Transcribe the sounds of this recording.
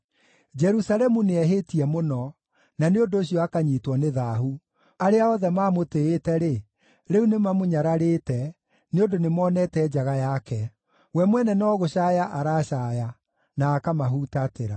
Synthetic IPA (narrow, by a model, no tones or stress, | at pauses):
d͡ʒɛɾusalɛmuneɛɦetiɛmonɔ | naneondoːɕijɔakaɲiːtwɔneðaːhu | aɾeaɔðɛmaːmoteetɛɾe | ɾɛunemamoɲaɾaɾetɛ | neondonemɔːnɛtɛd͡ʒaɣajakɛ | wɛmwɛnɛnɔɣoɕaːjaʔaɾaɕaːja | naːkamaɦutateɾa